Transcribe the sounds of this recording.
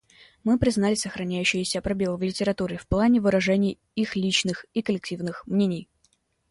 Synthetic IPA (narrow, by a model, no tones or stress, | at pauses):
mɨpɾʲɪznalʲɪsəxɾɐnʲæjʉɕːɪjɪsʲəɐpɾɐbʲelˠəvlʲɪtʲɪɾɐt̪uɾʲɪfplˠanʲɪvɨɾɐʐɛnʲɪj | ixlʲit͡ɕnɨxikəlʲɪk̚tʲivnɨxmnʲenʲɪj